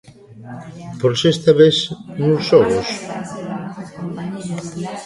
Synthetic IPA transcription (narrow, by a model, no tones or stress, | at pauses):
poɾsest̪aβesnusoɣos